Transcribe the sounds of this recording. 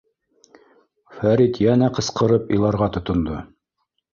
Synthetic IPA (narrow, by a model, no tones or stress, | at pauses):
fæɾit̪jænæqɤ̆sqɤ̆ɾɤpḭ̆lˠɑɾʁɑt̪ŏt̪ŏnd̪o